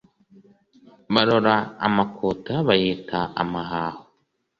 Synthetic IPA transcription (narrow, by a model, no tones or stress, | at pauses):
βaɾoɾa̰ːmakʰotaβajeːtaʔa̰maɦaːho